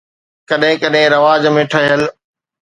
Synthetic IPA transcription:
kɐɗɦɪ̃kɐɗɦɪ̃ɾɐʋaːd͡ʑmẽːʈʰɐɦəl

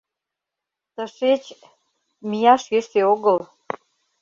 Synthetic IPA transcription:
t̪əʃet͡ɕ | mijɑʃjeʃeoɣəl

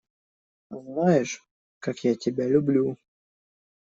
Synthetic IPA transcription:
znajɪʂ | kakjatʲɪbʲalʲʊblʲu

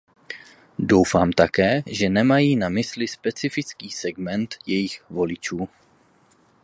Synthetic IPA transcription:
do̞wfaːmt̪akɛːʒɛnɛmajiːnamɪslɪspɛt͡sɪfɪt͡skiːsɛɡmɛnt̪jɛjɪxvo̞lɪt͡ʃuː

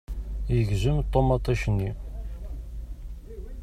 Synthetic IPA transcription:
jəʝzəmt̪ˤːomɑt̪ˤːɑʃənːi

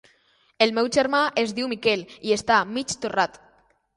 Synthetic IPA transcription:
elmɛwʒeɾmaʔezðiwmikɛliest̪amit͡ʃt̪urat̪

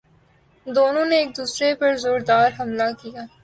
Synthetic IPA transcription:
d̪oːnõneːk̚d̪uːsɾepɐɾzoːɾd̪aːɾɦɐmlakijaː

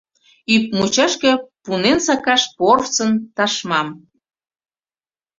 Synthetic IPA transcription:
yp̚mut͡ɕɑʃkĕpunensɑkɑʃporft͡sənt̪ɑʃmɑm

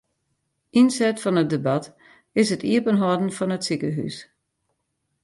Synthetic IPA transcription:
ʔinsɛtfɔnət̚debat | ɪsətiəpənɦɔdn̩fɔnətsikəɦy̰s

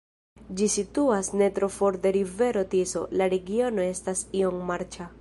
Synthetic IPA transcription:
d͡ʒisituasne̞tɾo̞fo̞ɾde̞ɾive̞ɾo̞tiso̞̰laɾe̞ɡio̞no̞e̞stasio̞ŋmaɾt͡ʃa

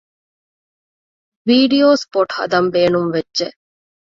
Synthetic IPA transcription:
ʋiːɖioːspoʈhɐ̰d̪ɐmbeːnumʋedʒe

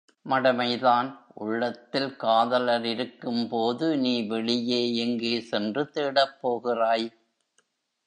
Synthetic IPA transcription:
mɐɽɐmɐɪðaːnʔʊɭːɐt̪ːɪlkaːðɐlɐɾɪɾɯkːɯmpoːðɯniːʋɛɭɪjeːɛŋɡeːsɛndrɯt̪eːɽɐpːoːɣɪraːj

